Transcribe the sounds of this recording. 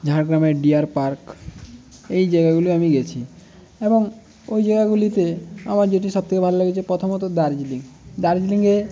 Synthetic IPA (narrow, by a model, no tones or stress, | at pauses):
d͡ʒʱaɽɡɾameɖiaɾpaɾk | ejd͡ʒaɡaɡuliamiɡɛt͡ʃʰi | ebɔŋ | ojd͡ʒaɡaɡulit̪ea̰maɾd͡ʒeʈisɔb̚t̪ʰekebʱallaɡet͡ʃʰepɾɔt̪ʰɔmɔt̪od̪aɾd͡ʒiliŋd̪aɾd͡ʒiliŋɡe